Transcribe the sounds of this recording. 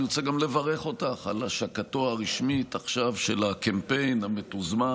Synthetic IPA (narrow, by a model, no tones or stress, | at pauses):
ot͡seɡamle̞vaʁe̞χo̞taχalaʃakatoaʁiʃmitaχʃavʃelakempe̞jnametuzma